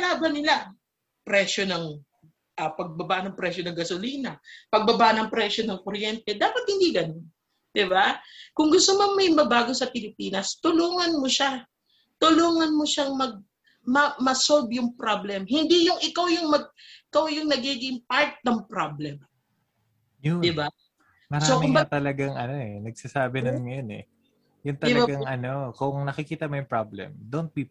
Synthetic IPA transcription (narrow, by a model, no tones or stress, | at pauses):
ɐlaːbɐnɪla | pɾɛʃo̞nɐŋ | ʔɐpɐɡ̚bɐbaʔnɐŋpɾɛʃonɐŋɡɐsoliːnɐpɐɡ̚bɐbaʔnɐŋpɾɛʃonɐŋkoɾjɛnt̪ɛd̪aːpɐt̪̚hɪnd̪iːɡɐnon | d̪̥ɪbakʊŋɡʊst̪omɐnmɐʔɪmbɐbaːɡo̞sɐpɪlɪpiːnɐst̪ʊluːŋɐnmoʃa | t̪ʊluːŋɐnmoʃaŋmɐɡ̚ | mɐmɐsolbjʊŋpɾablɛmhɪnd̪ijʊŋɪkawjʊŋmɐɡ̚ʔɪkawjʊŋnɐɡiːɡɪŋpaɹt̪̚nɐŋpɾablɛm | jʊd̪ɪba | mɐɾsaokmɪʊbɐt̪ɐlɐɡaŋʔɐno̞ʔɛnɐɡ̚sasaːbɪnɐnŋɐjonɛ̰ | jʊŋt̪ɐɪlɐbaɡaŋʔɐno̞kʊŋnɐkɪkiːt̪ɐmojʊŋpɹablɛ̰md̪ont̪̚bi